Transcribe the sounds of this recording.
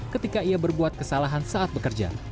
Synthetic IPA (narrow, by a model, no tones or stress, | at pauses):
kət̪ikaiabərbuat̪̚kəsalaɦansaat̪̚bəkərd͡ʒa̰